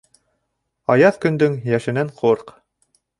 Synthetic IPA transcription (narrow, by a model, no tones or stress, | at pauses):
ɑjɑðkɵ̆nd̪ɵŋjæʃɘ̆næɴqʰoɾq